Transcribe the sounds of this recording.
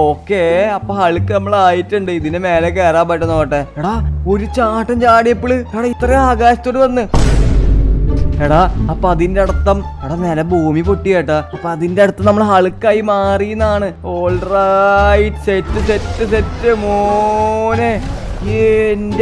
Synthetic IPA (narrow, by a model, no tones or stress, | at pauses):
oːkːeɐpːoːɦɐɭɨkːɨnɐmːɐɭaːjitːuɳɖɨiðinɨmeːlek̬eːɾaːmpɐʈːɐnːoːʈːeeɽao̞ɾut͡ɕaːʈːɐmt͡ɕaːɽijɐpːiɭɨkeɽɐit̪rɐjaːɡaːɕɐ̥t̪ːoːɽɨʋɐnːɨ | eɽaɐpːoɐðindeɐɽɐt̪ːɐmeɽɐnelɐbʱuːmipoʈːijajʈːaɐpːoɐðindeeɽut̪ːɐmnɐmːɐɭɦɐɭɨkːɐjimaːrijunːaːɳɨ | oːɭrajitːɨsetːɨse̞tːɨs̬etːɨmo | ne | end